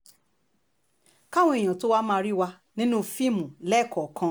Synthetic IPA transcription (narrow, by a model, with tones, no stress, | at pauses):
ka˦˨wɔ̃˧e˨j̃ã˨to˦wa˦mãː˦˧ɾi˦wa˧ | nĩ˦nũ˦fi˦˨mũ˨lɛ˦˨kʰɔ˨kʰã˧